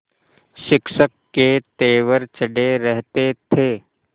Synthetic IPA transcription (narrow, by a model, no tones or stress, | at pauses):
ʃɪkʃəkːet̪eːʋəɾt͡ʃəɖeɾɛɦt̪et̪ʰeː